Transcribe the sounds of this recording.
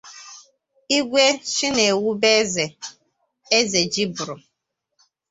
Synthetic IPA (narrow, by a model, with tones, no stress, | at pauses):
i˦ɡʷe˦ʃi˦ne˨wu˦be˦ze˨ | e˦ze˨d͡ʒi˦bʊ˨ɾʊ˨